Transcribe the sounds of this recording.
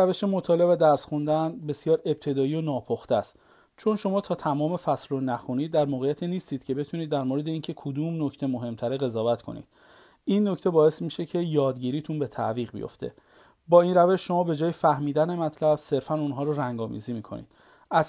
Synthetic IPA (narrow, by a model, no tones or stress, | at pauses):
æve̞ʃemot̪ʰɒːle̞bvæd̪æɾsxund̪ænbe̞sjɒːɾe̞b̚t̪ʰe̞d̪ɒːiːonɒːpʰoxt̪æst̪ | t͡ʃʰo̞nʃo̞mɒːt̪ʰɒːt̪ʰæmɒːme̞fæslonæxuniːd̪ːæɾmoːɣejæt̪ʰiːniːst̪iːd̪̥cʰe̞be̞t̪ʰuniːd̪ːæɾmoːɾe̞d̪eiːncʰe̞kʰod̪uːmnocʰt̪ʰe̞mo̞ɦe̞mt̪ʰæɾeɣe̞zɒːvæt̪kʰo̞̰nḭːd̪̥̚ | inːo̞ct̪ʰe̞bɒːe̞smiʃe̞cʰe̞jɒːd̪ɟiːɾiːt̪ʰunbe̞t̪ʰæ̰viːɣbḭjo̰ft̪ʰḛ | bɒːiːnræve̞ʃʃo̞mɒːbe̞d͡ʒɒːjefæhmiːd̪æne̞mæt̪ʰlæbse̞ɾfænunɦɒːɾoɾæŋɡɒːmḭziːmiːkʰo̞nḭd̪̥ | ʔæz